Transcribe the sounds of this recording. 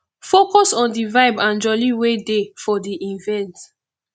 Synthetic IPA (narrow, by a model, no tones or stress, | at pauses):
fokɔsɔ̃ndivaɪbãnd͡ʒɔliwedefɔdiʔĩvɛ̃nt